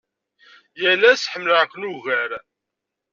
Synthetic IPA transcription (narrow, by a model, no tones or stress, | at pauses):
jælːæsħəmːləʕkʷːnuʝəɾ